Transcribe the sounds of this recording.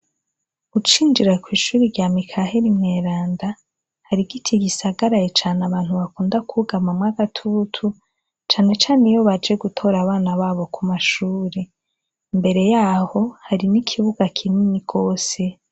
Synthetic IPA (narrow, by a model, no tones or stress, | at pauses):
ɡut͡ʃiːnd͡ʒiɾakwiːʃuːɾiɾɟaːmikʰahe̞ɾimŋe̞ːɾaːnda | haɾiɡitʰiɡisaɡaɾajet͡ʃaːnaβaːn̥huβakuːndakuuɡamamwaɡatʰutʰu | t͡ʃaːne̞t͡ʃaːnejo̞βad͡ʒe̞ɡutʰo̞ɾaβaːnaβaːβo̞kumaʃuːɾe | mbe̞ɾe̞jaːho̞haɾinikʰiβuɡakʰininiɡo̞ːse̞